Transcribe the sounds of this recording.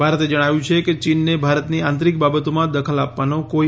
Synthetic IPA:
bʱaɾət̪ed͡ʒəɽ̃aʋjũt͡ʃʰeket͡ʃinːebʱaɾət̪niãnt̪ɾik̚babət̪omãd̪əkʰəlapʋanoko

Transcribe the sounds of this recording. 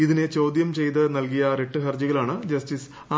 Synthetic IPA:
iðinet͡ɕo̞ːd̪jɐmt͡ɕe̞jt̪ɨnɐlkijɐɾeʈːɨɦɐrd͡ʑiɣɐlaːɳɨd͡ʑɐstis | a

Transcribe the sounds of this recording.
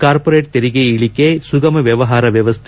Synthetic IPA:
kaːɾpoɾeːʈ̚t̪ɛɾɪɣɐɪɪɭɪkːesʊɣɐmɐʋjɛʋɐɦaːɾɐʋjɐʋɐst̪ʰ

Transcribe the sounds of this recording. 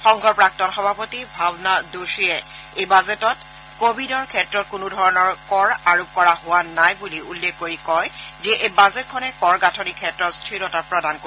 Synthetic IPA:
xɔŋɡʱɔɹpɹak̚tɔnxɔbʱapotibʱabnadosijɛ | ejbazetɔt | kobʱidɔɹkʰɛtɹɔt̚kunudʱɔɹɔnɔɹkɔɹaɹop̚kɔɹaɦʊwanajbuliulːekkoɹikɔjzɛʔejbazɛt̚kʰɔnɛkɔɹɡatʰɔnikʰɛtɹɔtstʰɹiɹɔtapɹɔdanko

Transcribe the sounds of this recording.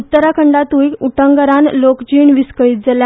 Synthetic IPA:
ut̪ːəɾakʰəɳɖat̪ujkuʈəŋɡəɾanlokd͡ʑiːɳʋiskəɭiːt̪̚d͡zalja

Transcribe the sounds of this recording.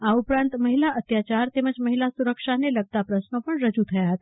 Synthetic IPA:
aupɾãnt̪məɦilaʔət̪jat͡ɕaɾt̪eməd͡ʑməɦilasuɾəkʂaneləɡ̚t̪apɾəsnəpəɳɾəd͡ʑut̪ʰəjaɦət̪

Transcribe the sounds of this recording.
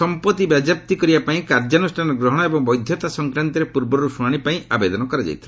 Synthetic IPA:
sɔmpɔt̪ibjad͡ʒap̚t̪ikɔɾibapaĩkaɾd͡ʒanusʈʰanɔɡɾɔɦɽ̃ɔebɔŋbɔjd̪ʱjɔt̪asɔŋkɾant̪iɾepuɾbɔɾusuaɽ̃ipaĩʔabed̪ɔnɔkɔɾad͡ʒa̰jt̪ʰil

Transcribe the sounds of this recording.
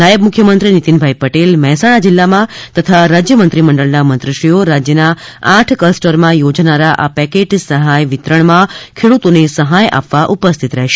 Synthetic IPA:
najəb̚mʊkʰjəmənt̪ɾinit̪inbʱaipəʈelmɛɦɛsaɽ̃ad͡ʒilːamãt̪ət̪ʰaɾad͡ʒjəmənt̪ɾiməɳɖəɭnamənt̪ɾəʃɾijoɾad͡ʒjənaaʈʰkəsʈəɾmãjod͡ʒnaɾaʔapɛkeʈsəɦajʋɪt̪ɾəɳmãkʰeɽut̪onesəɦajʔa̰pʋaʔupəst̪ʰit̪ɾəɦʃe̥

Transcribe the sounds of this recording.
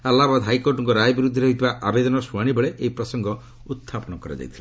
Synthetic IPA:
alːabad̪ɔɦajkoɾʈɔŋkɔɾajɔbiɾud̪ʱːɔɾɔɦit̪ʰibaʔabed̪ɔnɔsuaɽ̃ibeɭeʔeipɾɔsɔŋɡɔ | ut̪ʰːapɔñɔkɔɾa̰d͡ʒa̰jt̪ʰila

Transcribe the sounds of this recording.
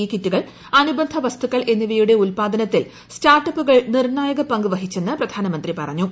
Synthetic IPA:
ikːitːuɣɐɭ | ɐnubɐnd̪ʱɐʋɐst̪ukːɐɭʔe̞nːiʋijuɽe̞ulpaːd̪ɐnɐt̪ːil | staːrʈːɐpːuɣɐɭnirnaːjɐɣɐpɐŋɡuʋɐɦit͡ɕːe̞nːɨprɐd̪ʱaːnɐmɐnd̪ripɐrɐɲːu

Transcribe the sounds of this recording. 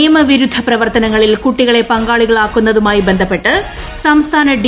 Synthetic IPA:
jmɐʋiɾud̪ʱːɐprɐʋɐrt̪ɐnɐŋːɐɭilkuʈːiɣɐɭepɐŋɡaːɭiɣɐɭaːkːunːɐðumaːjibend̪ʱɐpːe̞ʈːɨ | sɐmst̪ʰaːnɐɖ

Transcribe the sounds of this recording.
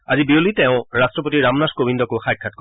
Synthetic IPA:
azibiolitɛʊ̃ɹastɹɔpotiɹamnaskobindɔkoxajkʰːat̚ko

